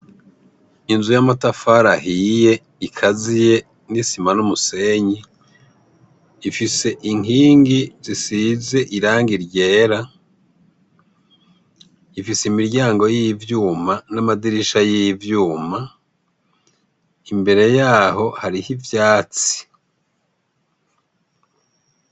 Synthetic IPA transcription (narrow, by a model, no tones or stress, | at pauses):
inzujamatafaɾahije̞ | ikʰazije̞ | nisimanumuse̞ːɲi | fise̞ʔiŋiːŋɡizisize̞ʔiɾaːŋɡiɾɟe̞ːɾa | ifiseimiɾɟaːŋɡo̞jivjuːmanamadiɾiʃajivjuːma | imbe̞ɾe̞jaːɦo̞haɾihivjaːt͡si̥